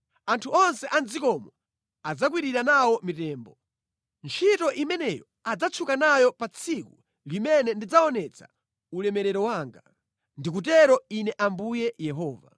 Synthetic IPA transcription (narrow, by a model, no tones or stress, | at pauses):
antʰuɔnsɛʔand͡zikɔmɔ | ad͡zakwiɾiɾanawɔmitɛːmbɔ | nt͡ʃʰitɔʔimɛnɛjɔ | ad͡zat͡sʰukanajɔpat͡sʰiku | limɛnɛndid͡zaɔnɛt͡sʰa̰ | ulɛmɛɾɛɾɔwaːŋɡa | ndik̬ut̬ɛɾɔinɛʔambujɛjɛɦɔːva̰